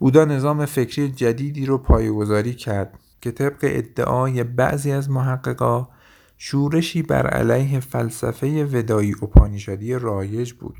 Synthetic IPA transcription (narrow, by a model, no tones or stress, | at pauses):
buːd̪ɒːne̞zɒːme̞fe̞cʰɾiːjed͡ʒæd̪iːd̪iːɾopʰɒːjeɡo̞zɒːɾiːcʰæɾd̪̥ | cʲʰe̞t̪ʰe̞bɢḛʔḛd̪ːḛʔɒːje̞bæ̰ʔziːæzmoɦæɡːeɣɒː | ʃuːɾe̞ʃiːbæ̰ɾæ̰læjɦe̞fælsæfe̞je̞ve̞d̪ɒːjiːʔopʰɒːniːʃod̪ijerɒːje̞d͡ʒbṵːd̪̥